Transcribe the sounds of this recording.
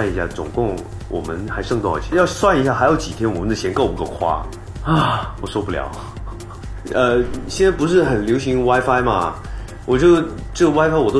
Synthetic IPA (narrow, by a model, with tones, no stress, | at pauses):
ni˧˥ɕja̰˥˩t͡sʊ̰˨˩ŋkʊ˥˩ŋ | wʔɔ̰˨˩mə˦nxa˧˥ɪʂɤ˥˧ŋt̪ɑ˥˩ʊḭ˧˩t͡ɕʰjɑ˥˧ʊswa˥˩ni˧˥ɕja˥˩xa˧˥ɪjo˧˥t͡ɕi˨˩t̪ʰjɛ˥nwɔ˨˩mə˦nd̪ə˩ɕʰjɛ˧˥nko˥˩ʊpu˧˥k̪o˥˩ʊkʰwa̰˥ | wɔ˨˩ʂwɔ˥pu˥˩ljɑ̰˨˩˦ʊ | ə˧ɕjɛ˥˧nt͡sa˥˩ɪpu˧˥ʂ̬ɻ̩˥˩xə˨˩nljo˧˥ʊɕi˧˥ŋwa˥ɪfa˥ɪmɐ̰˨ | wɔ˨˩t͡ɕ | ʈ͡ʂɤ˥˩ɡə˩wa˥ɪfa˥ɪwɔ˨˩t̪o˥